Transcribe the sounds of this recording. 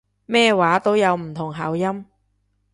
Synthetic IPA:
mɛː˥waː˨˥t̪o˥wjɐ˨˧wm̩˨˩t̪ʰʊ˨˩ŋɦaː˨˥wjɐ˥m

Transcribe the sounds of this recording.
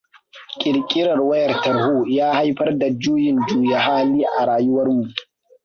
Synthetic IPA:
kʲʼɪ˨ɾkʲʼɪ˦ɽɐ˨rwɐ˦jɐ˨rtɐ˨ɾhuː˦˨jaː˦ha˦jɸɐ˦rda˨d͡ʒuː˦jɪ˨nd͡ʒuː˦ja˨haː˦liː˦ʔa˨ɽaː˨ju˦wɐ˦rmu˨ʔ

